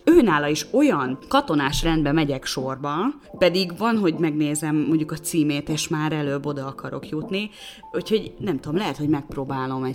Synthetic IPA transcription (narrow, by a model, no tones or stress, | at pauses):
øːnaːlɒiʃo̞jɒnkɒt̪o̞naːʃrɛnd̪̚bɛmɛɟɛkʃo̞rbɒ | pɛd̪iɡvɒnɦo̞ɟmɛɡneːzɛmːoɲɟukɒt̪siːmeːt̪eːʃmaːɾɛløːbːo̞d̪ɒɒkɒɾo̞̰kjut̪ni | ucho̞ɟnɛmt̪ud̪omlɛɦɛt̪ho̞ɟmɛk̚proːbaːlo̞mɛ